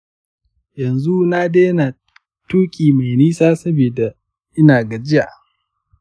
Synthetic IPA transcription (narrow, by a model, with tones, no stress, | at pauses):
jɐ˨nzu˦na˦de˦na˨ | tuː˦kʲʼiː˨ma˨jniː˦saː˦sɐ˦bi˨da˨ | ʔɪ˦naː˨ɡa˨d͡ʒɪ˦ja˨